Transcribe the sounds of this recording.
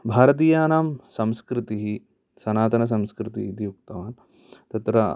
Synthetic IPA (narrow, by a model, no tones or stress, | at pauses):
bʱaːɾɐt̪̬iːjaːnaːmsɐ̃mskɾit̪iɦi | sɐnaːt̪ɐnɐs̬ɐmskɾɪt̪id̪ijuk̚t̪ɐʋaːn | t̪ɐt̪ɾɐ